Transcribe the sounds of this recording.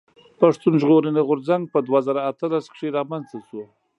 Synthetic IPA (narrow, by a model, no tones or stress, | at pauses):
paʂt̪unʒɣoɾəneɣʊɾzaŋɡ̚pəd̪wazaɾaːt̪əlaskʂeɾɑmanzt̪asu